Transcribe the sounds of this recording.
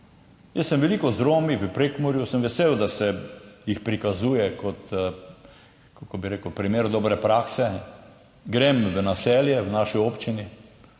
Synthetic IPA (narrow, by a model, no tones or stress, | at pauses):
jəssəmʋɛliːkɔzɾoːmiʋəpɾekmɔɾjusəmʋɛsewd̪asɛjixpɾikazuːjɛkʰɔt̪ | kakobiɾekəwpɾimeːɾd̪ɔːbɾɛpɾaːksɛ | ɡɾemʋənasɛljɛwnaːʃioːpt͡ʃini